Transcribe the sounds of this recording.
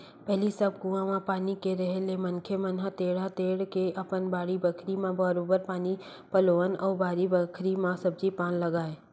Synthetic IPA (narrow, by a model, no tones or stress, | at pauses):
pɛɦlisəb̚ɡũãmãpaːnikeɾɛɦelemɐnkʰemənɦət̪eːɽat̪eːɽkeʔɐpənbaːɽibəkʰɾimãbəɾoːbəɾpaːni | pəloːənɔːɾbaːɾibəkʰɾimãsəbd͡ʒipaːnlɐɡaːeː